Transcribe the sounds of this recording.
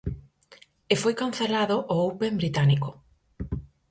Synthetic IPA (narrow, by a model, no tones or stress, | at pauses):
efojkanθelaðoʔoowpembɾit̪aniko